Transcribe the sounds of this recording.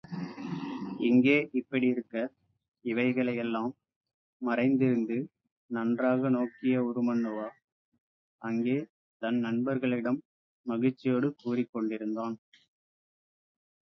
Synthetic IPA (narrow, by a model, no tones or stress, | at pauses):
ɪŋɡeːʔɪpːɐɽiɪɾɯkːɐ | ɪʋɐɪɣɐɭɐjɛlːaːmː | ɐrɐɪnd̪ɪɾɯnd̪ɯ | nɐndraːɣɐnoːkɪjɐʊɾɯmɐɳːɯʋaː | ɐŋɡeː | t̪ɐnnɐɳbɐɾɣɐɭɪɽɐmː | ɐɣɪt͡ʃːɪjoːɽɯkuːrɪkːɔɳɖɪɾɯnd̪aːn